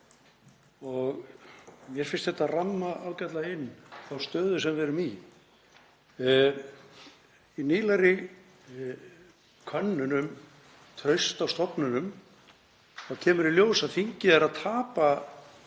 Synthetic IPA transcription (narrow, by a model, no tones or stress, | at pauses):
ɔɣ | mjɛɾ̥fɪn̥st̪θɛht̪ːaramːaʔaːwcat̪laɪnːθawst̪œːðʏs̬ɛmvɛɾʏmi | iniːlaɾɪ | kʰœnːʏnʏm | t̪ʰɾœɥst̪awst̪ɔpnʏnʏm | θaðcʰɛːmʏɾiljoːwsaðθiɲcɪɛɾaðt̪ʰaːpa